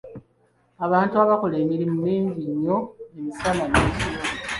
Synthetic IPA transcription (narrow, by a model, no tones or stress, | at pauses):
aβaːntuaβakole̞ːmiɾimumiːɲɟiɲːo̞emisalaneːci